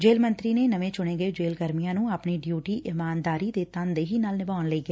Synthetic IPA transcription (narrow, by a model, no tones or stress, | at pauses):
d͡ʒeːlmə̃nt̪ɾiːneːnəʋẽːt͡ʃʊɽ̃eːɡəed͡ʒeːlɡəɾmijãːnũːaːpɳiːɖjuːʈiːʔɪmaːnd̪aːɾiːd̪eːt̪ənd̪eːɦiːnaːlnɪbaːnləiːɡɛː